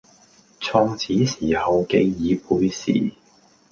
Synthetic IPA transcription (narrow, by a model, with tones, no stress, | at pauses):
t͡sʰɔː˧ŋt͡sʰiː˨˥siː˨˩hɐ˨wke˧jjiː˨˧puː˨˧jsḭː˨˩